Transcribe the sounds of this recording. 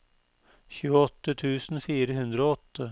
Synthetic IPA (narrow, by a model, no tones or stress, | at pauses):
çʉːəɔt̪ːət̪ʰʉːsn̩fiːɾəɦʉnd̪ɾəoːɔt̪ʰːə